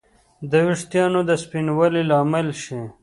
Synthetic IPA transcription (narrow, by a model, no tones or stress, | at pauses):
d̪əwiʂt̪jɑːnod̪əspinwɐlilɑːmelʃi